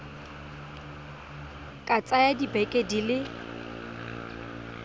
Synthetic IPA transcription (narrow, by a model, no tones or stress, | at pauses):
kʼat͡sʼajadibɛkʼedilɪ